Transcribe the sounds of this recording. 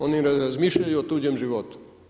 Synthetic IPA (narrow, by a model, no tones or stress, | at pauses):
oniɾaɾazmiʃʎajuɔt̪ɾud͡ʑɛmʒiʋɔt̪u̥